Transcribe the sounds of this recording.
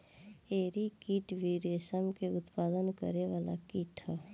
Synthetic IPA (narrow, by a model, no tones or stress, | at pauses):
eːɾikiːʈʋiɾeːsəmkeʊt̪paːd̪ənkə̰ɾeʋaːla̰kiːʈʰɦɛ